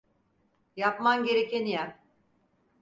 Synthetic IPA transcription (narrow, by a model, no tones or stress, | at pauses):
japmamɟe̞ɾecenijæm